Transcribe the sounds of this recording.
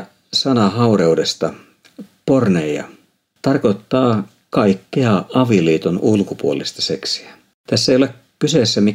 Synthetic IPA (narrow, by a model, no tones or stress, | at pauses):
sɑnɑɦɑureude̞st̪ɑ | pornejɑ̰ | t̪ɑrko̞t̪ːɑː | kɑikːeɑɑʋiliːt̪onulkupuolist̪ɑ̥se̞ksi̥æ | t̪æsːæeijolek | kyseːsːæmi